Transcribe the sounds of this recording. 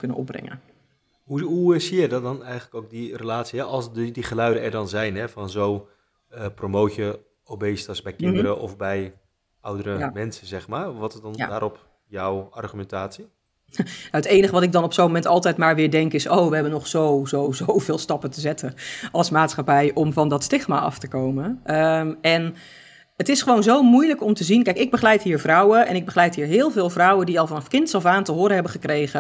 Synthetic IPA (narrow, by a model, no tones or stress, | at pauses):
kɵnə̰nɔ̰b̚rɪ̰ŋə̰n | ɦuɦusijɛjdɔdɔnɛjχənləkowk̚dirəlaːtsiɦɛʔɑlˠsddiχəlœɥdəɛɹdɑnzɛjnɦɛfɑnzow | əpromowtjə | owbejstəsbɛjkɪnddəɾəʔɔfbɛj | ʌwdərəmɛnsəzɛχmaːrʋɑtɪzdɑn̰ːdaːɾɔp | jɔwɑrχymɛntaːtsi | nawətejnəχəʋɑtɪɡ̚dɑnɔpsownmomɛntɑlˠtɛjtmaːɹʋɪːɹdɛŋkɪsowʋəɦɛbənɔχsowzowzowvɪːlˠstɑpətəzɛtʰəʔɑlˠsmaːtsχapɛjʔɔmvɑndɔtstɪχmaʔɑ̰ftəkowmənʔəɛn | ətɪsχəʋoːnzowmujləkɔmtəzinkɛjkɪɡ̚bəχlɛjtɦiːɹvrʌwəɛnɪɡ̚bəχlɛjtɦiːɹɦɪːlˠvɪːlˠvrɔwəndiɑlˠvɑnɑfkɪntsɔfaːntəɦʊːɾəɦɛbəχəkrejɣə